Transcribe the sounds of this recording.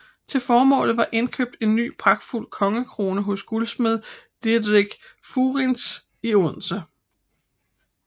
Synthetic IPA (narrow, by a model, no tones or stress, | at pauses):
t͡sʰe̝lfɒːmɔ̰̽ːlð̩ˠʋɑ̈ʔe̝nkʰø̰b̥̚d̥e̝nːy̰ːpʰʁɑ̈ɡ̥̚d̥ful̰kʰɒ̽ŋəkʰʁo̝ːnəɦɔ̽sɡ̥ulsmeðˠd̥edˠʁiɡ̥fuːʁins | ioð̰ˠnsə